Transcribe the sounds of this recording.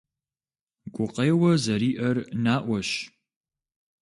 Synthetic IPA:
ɡʷʼʊqʼejwɐzɐɾiːʔɐrnaːʔʷɔʃ

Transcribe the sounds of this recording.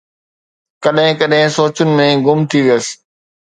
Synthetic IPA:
kɐɗɦɪ̃kɐɗɦɪ̃soːt͡ɕʊnɪ̆mẽɡʊmt̪ʰiʋijəsɪ̥̆

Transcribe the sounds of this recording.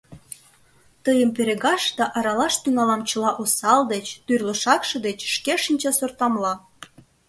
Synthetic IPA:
t̪əjəmpeɾeɣɑʃd̪ɑʔɑɾɑlɑʃt̪yŋɑlɑmt͡ɕə̆lɑʔosɑld̪et͡ɕt̪yrlə̆ʃɑkʃɤ̆d̪et͡ɕʃkeʃinʲt͡ɕɑsort̪ɑmlɑ

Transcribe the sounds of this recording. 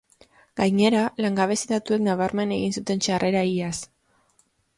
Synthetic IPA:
ɡ̥ajɲe̞ɾalaŋɡaβ̞e̞siðat̪ue̞knaβaɾme̞ne̞ɣinsut̪e̞nt͡ʃare̞ɾaias

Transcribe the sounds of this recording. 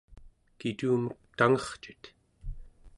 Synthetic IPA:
kit̪uːmək̚t̪aŋʌχt͡ʃi̥t̪

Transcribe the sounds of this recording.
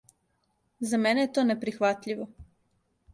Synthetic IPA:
zamenejet̪oːnepɾixʋat̪ʎiʋo

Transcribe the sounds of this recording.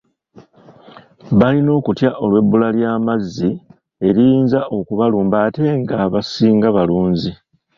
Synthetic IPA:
βalino̞ːkutjaʔo̞lwe̞bːulaljaːmazːi | e̞ɾijiːnzaʔo̞kuβaluːmbaːte̞ŋɡaβasiːŋɡaβaluːnzi

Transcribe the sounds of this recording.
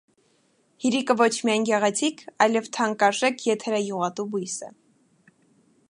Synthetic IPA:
hiɾikəvɔt͡ʃʰmiɑjnɡɛʁɛt͡sʰikʰɑjlɛvt̪ʰɑŋkɑʒɛkʰjɛt̪ʰɛɾɛjuʁɑt̪ubujsə̰

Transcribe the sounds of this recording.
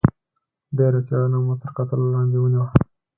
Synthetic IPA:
ɖeɾasjɑlanamot̪əɾqat̪əlolɑnd̪ewəniwa

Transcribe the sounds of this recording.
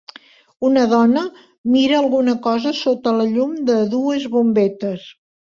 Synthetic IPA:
unəðɔnə | miɾəːlˠɣunəkɔzəsot̪ələʎumd̪əðuəzβumbɛt̪əs

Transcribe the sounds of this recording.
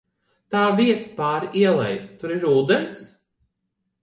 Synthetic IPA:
t̪aːviɛt̪ḁpaːɾiɛlˠɛ̰jt̪uɾiɾuːd̪ens

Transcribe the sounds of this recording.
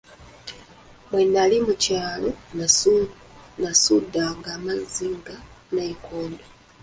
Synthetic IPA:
mwenːalimucaːlo̞nasununasudːaŋɡaːmaziŋɡanaikʰoːndo

